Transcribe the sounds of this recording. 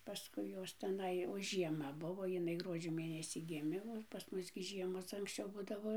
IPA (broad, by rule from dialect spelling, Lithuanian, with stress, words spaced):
pɐˈskʊɪ ˈjoːs tʲɛˈnɐɪ oː ˈʒʲiɛmɐ ˈbʊʋoː jɪˈnɐɪ ˈɡruɔd͡ʒʲoː ˈmʲeːnʲɛsʲiː ˈɡʲɪmʲeː oː pɐs ˈmʊs ɡʲɪ ˈʒʲiɛmoːs ɐŋksʲˈt͡ʃʲɛʊ ˈbʊdɐʋoː